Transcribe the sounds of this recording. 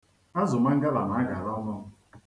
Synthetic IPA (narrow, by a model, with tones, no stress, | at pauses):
a˦zʊ˨ma˦ŋ̩˦ɡa˦la˨na˨˦a˦ɡa˨ɾɔ˦nɔ˦